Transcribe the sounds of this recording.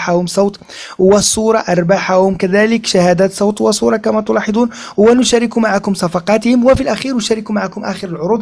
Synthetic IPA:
ħahʊmsˤɑwt̪ˤ | wəsˤːuːɾˤɑʔɑɾˤbaħahʊmkæd̪æːləkʃahæːd̪æːt̪sˤɑwt̪wəsˤuːɾˤɑkæmæt̪ʊlɑːħed̪ˤuːn | hwænʊʃæːɾɪkumaʕakʊmsˤɑfɑqɑːt̪hɪmwəfilʔæxiːɾnʊʃæːɾɪkumaʕakʊmʔæ̰ːxəɾəlʕʊɾuːd̪

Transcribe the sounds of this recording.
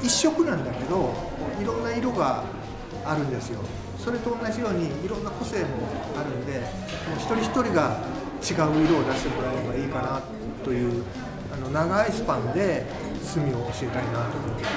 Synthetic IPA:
iɕːo̞kɯ̟nãnd̪ake̞d̪o̞ | moːiɾõ̞nːaiɾo̞ɡaː | ɾɯ̟̃nd̪e̞sɨjo̞̰ | so̞ɾe̞t̪o̞ːnːaʑijo̞ːɲ̟iːɾõ̞nːako̞se̞ːmo̞ | aɾɯ̟̃nd̪e̞ | mo̞ːçʲi̥t̪o̞ɾʲiçi̥t̪o̞ɾʲiɡa | t͡ɕiɡaɯ̟iɾo̞ːd̪aɕi̥t̪emoɾaeɡaiːkana | t̪o̞jɯ̟ː | ano̞naɡaisɨ̥pãnd̪e̞ | sɨmʲio̞ːɕie̞t̪aɾʲinat̪o̞ːmon

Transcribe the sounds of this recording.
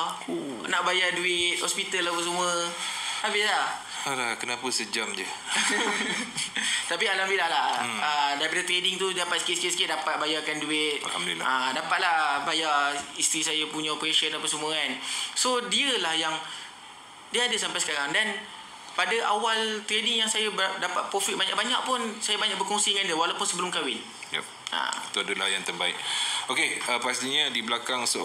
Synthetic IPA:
naʔbajaduɪt̪̚hɔspit̪alahbəsəmũəabila | alakənapəsəd͡ʒamd͡ʒə | t̪apialambilahlahədaɾipadat̪ɾedɪŋt̪udapat̪sə̥kɪt̪səkɪt̪̚səkɪt̪̚dapat̪̚bajakanduɪt̪̚a̰la̰mḭla̰adapat̪̚lahbajaist̪ɾisajapuɲapɾeʃəndapəsəmuəansodiəlahjaŋ | diəadasampajsə̥kaɾaŋdan | padaʔawalt̪ɾedɪŋjaŋsajabdapat̪̚pɾofit̪̚baɲa̰ʔbaɲaʔ̚pʊnsajabaɲak̚bərkɔŋsikandəwalawpʊnsəbəlʊmkawɪn | jɛ̰p̚a̰t̪uadulahjaŋt̪ərbaɪkokeəpast̪iɲadiblakaŋsə

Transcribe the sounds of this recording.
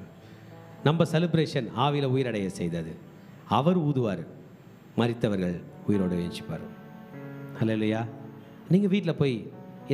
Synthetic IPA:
nɐmbɐsɛlɯbɾeːʂɐnaːʋɪjlɐʊjɪɾɐɽɐjɐsɛjðɐðɯ | ɐʋɐɾuːðɯʋaːɾɯ | mɐrɪt̪ːɐʋɐɾɣɐɭʊjɪɾoːɽɯeːt͡ʃɪ̥pːɐ̰ːɾɯ̰m | hɐlelujaː | niːŋɡɐʋiːʈːɪlɐpoːj

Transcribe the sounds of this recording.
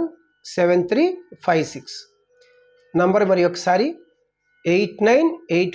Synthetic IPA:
n | seʋent̪ʰɾiːpʰajʋsiks | nɐmbɐɾmɐɾijokːɐ̥saːɾi | eʈnɐjnejʈ

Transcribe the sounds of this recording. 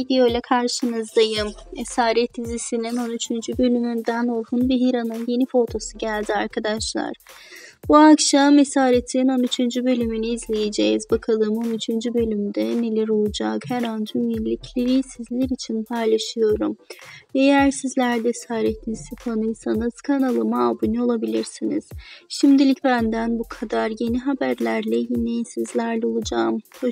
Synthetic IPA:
id̪io̞lʲɛkʰaɾʃɯnɯzd̪ajɯmesaːɾɛt̪̚ːizisinino̞nyt͡ʃʰynd͡ʒybø̞lʲymynd̪ænolˠhunbiɦiɾanɯnje̞nifo̞t̪ʰo̞suɟælʲd̪iaɾkʰad̪aʃlˠa̰ɾ̥ | buakʃamesaːɾet̪ʰinino̞nyt͡ʃʰynd͡ʒybø̞lʲymyniːzlʲejed͡ʒejzbakʰalˠɯːmo̞nyt͡ʃʰynd͡ʒybø̞lʲymd̪ɛne̞lʲɛɾo̞lˠud͡ʒakhæɾand͡ʒumilʲicʰlʲeɾiːsizlʲiɾit͡ʃʰinpʰajlˠaʃɯjo̞ɾumejæɾsizlʲæɾd̪ɛsaːɾet̪ʰinisɯfʰanɯjsanɯz̥kʰanalˠɯmaːbunuo̞lˠabilʲiɾsiniz̥ʃimd̪ilʲicbænd̪ænbukʰad̪aɾje̞niɦabæɾlʲæɾlʲɛjinejsizlʲæɾlʲɛo̞lˠud͡ʒaːm

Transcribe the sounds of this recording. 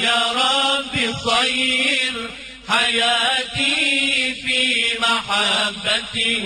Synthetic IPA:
jaɾˤɑbːɪsˤɑjɾ | ħajaːt̪ifiːmaħabːat̪ɪ

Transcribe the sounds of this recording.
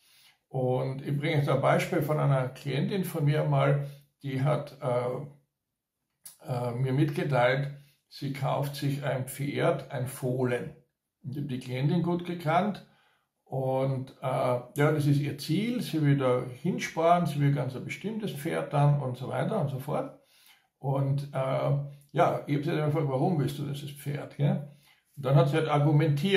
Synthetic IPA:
ʔʊntɪçb̥ʁɪŋəçd̥aːnbaɪʃpiːlfɔnʔa̰ɪnɐkʰliɛntɪnfɔnmiːɐmaːld̥iːɦatɛ | ɛmiːɐmɪtɡ̥ətaɪlt | siːkʰaʊftsɪçaɪnpp͡feːɐtaɪnfoːlən | ʊntçhaːb̚d̥iːkliɛntɪnɡuːtɡ̥əkʰant | ʔʊntɛjaːdas̬ɪs̬tiːɐt͡siːlsiːvɪldaːhɪnʃpaːənziːvɪlɡant͡sabəʃtɪmtəsp͡feːɐt̚d̥anʊ̰ntsova̰ɪtɐʊntzsofɔɐt | ʔʊntʔɛːjaːɪçhabsidɪmɐfʁɔlk̚tvaʁʊmvɪlstd̥uːdisəspp͡fḛːɐtɡ̥ɛ | ʊntd̥anhatsiːhataɐɡumɛntʰiː

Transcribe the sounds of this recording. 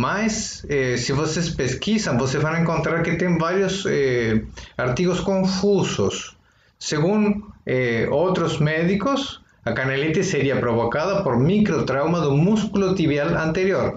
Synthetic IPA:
majsesiβosespeskisambosezβanaẽŋkont̪ɾaɾket̪eŋbaɾjose | aɾt̪iɣoskõɱfuso̰sː | eɣuneowt̪ɾozmeðikos | akanelet̪eseɾiapɾoβokaðapoɾmikɾot̪ɾawmaðomuskulot̪iβjalant̪eɾjoɾ

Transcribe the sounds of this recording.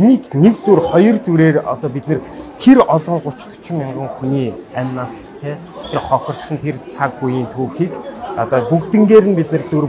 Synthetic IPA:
iniːknekt̪urχɔjɞ̆rt̪uɾeːrɔ̰t̪ɔːpit̪nɘ̆rt̪ʰeɾɔɮɞ̆ŋɢʊ̥t͡ɕt̪ʰʊ̥t͡ɕɪ̆mɪɴɢə̆ŋxuniːæmʲnas | t̪ʰeː | t̪ʰerχɔxʲɞ̆rsɞ̆nt̪ʰert͡sʰak̚pujiːnt̪ʰuːxiːkɔt̪ɔːpukt̪ɘ̆ŋɡeːɾɘ̆npit̪nɘ̆rt̪ur

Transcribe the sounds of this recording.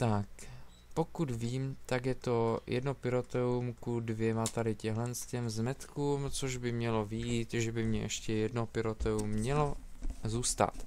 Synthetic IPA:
t̪ak | po̞kut̪viːmt̪akjɛt̪o̞jʔɛ̰dno̞pɪɾot̪ɛumkudvjɛmat̪adɪcɛɦlɛnscɛmzmɛt̪kuːmt͡soʒbɪmɲɛlo̞vɪjiːt̪ʒɛbɪmɲɛʔɛʃcɛjɛdnopɪɾot̪ɛumːɲɛlo̞zuːst̪a̰t̪

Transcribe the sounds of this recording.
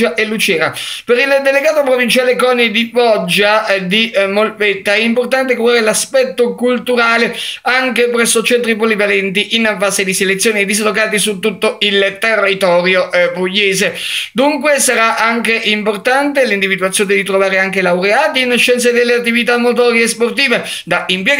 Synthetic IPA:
aʔelːut͡ʃɛːɾapeɾild̪eleɡaːt̪opɾovint͡ʃaːlekɔːnid̪ibɔd͡ʒːad̪imolpet̪ːaɛimport̪ant̪̬ekulaːɾelaspɛt̪ːokult̪uɾaːleaŋkepɾɛsːot͡ʃɛnt̪ɾipolivalɛnt̪iʔinfaːzed̪iselet̪sːjoːnid̪izlokaːt̪isut̪ːut̪ːoilt̪erːit̪ɔːɾjoʔpujːeːzed̪uŋkwesaɾaʔaŋkeʔimport̪ant̪elind̪ivid̪uat̪sːjoːned̪it̪ɾovaːɾeaŋkelawɾeaːt̪iinʃːɛnt̪s̬ed̪elːeat̪ːivit̪amːot̪̬ɔɾeːsport̪iːve | d̪aʔimpjɛ

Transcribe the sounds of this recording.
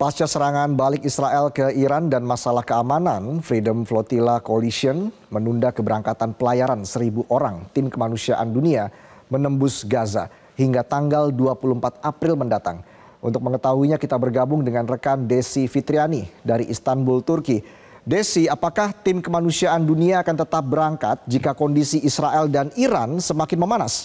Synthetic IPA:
past͡ʃasəɾaŋanbalɪk̚isɾaʔɛlkəiɾandanmasalahkəamananfɾidəmflot̪ilakolisiən | mənundakəbəɾaŋkat̪anpəlajaɾansəɾibuʔoɾaŋt̪ɪmkəmanusiaʔandunia | mənəmbʊsɡaza̰ | hiŋɡat̪aŋɡalduapuluhəmpat̪̚apɾɪlməndat̪a̰ŋ | ʔunt̪ʊk̚məŋət̪aɦuiɲakit̪abərɡabʊŋdəŋanrəkandesifit̪ɾianidaɾiʔːst̪anbʊlt̪urki | desiapakaht̪ɪmkəmanusiaʔanduniaːkant̪ət̪ap̚bəɾaŋkat̪̚d͡ʒikakɔndisiːsɾaʔɛldaniɾansəmakɪnməmanas

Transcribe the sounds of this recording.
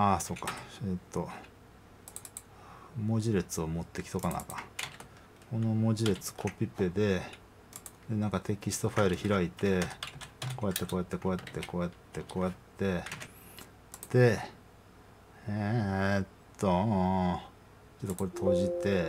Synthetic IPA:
aso̞ːkːḁet̪ːo̞ | mo̞ʑiɾe̞t͡sɨomo̞t̪ːe̞ki̥t̪okana̰ka | ko̞no̞moʑiɾe̞t͡sɨ̥kʰo̞pʲːipːe̞d̪e̞ | d̪e̞nãŋkat̪e̞kʲisɨ̥t̪o̞ɸaiɾɯ̟çiɾait̪e̞ | ko̞ːjat̪ːe̞ko̞ːjat̪ːe̞ko̞ːjat̪ːe̞ko̞ːjat̪ːe̞ko̞ːjat̪ːe̞ | d̪̥e̞ | et̪ːo | t͡ɕot̪ːoko̞ɾet̪ʰo̞ːʑit̪e̞

